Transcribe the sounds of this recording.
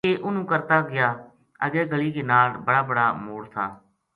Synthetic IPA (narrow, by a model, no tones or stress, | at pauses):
eːʔʊnũːkəɾt̪aːɡɪjaː | əɡɛːɡəliːkeːnaːlbəɽaːbəɽa̰ːmoːɽt̪ʰaː